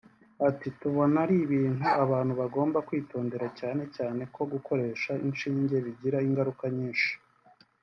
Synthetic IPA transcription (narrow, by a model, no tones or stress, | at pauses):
atituβo̞naɾiβiːnuaβaːn̥huβaɡo̞ːmbakwiːto̞ːnde̞ɾacaːne̞caːne̞ko̞ɡuko̞ɾe̞ːʃainʃiːɲɟe̞βiɟiɾaiŋɡaɾukaɲiːnʃi̥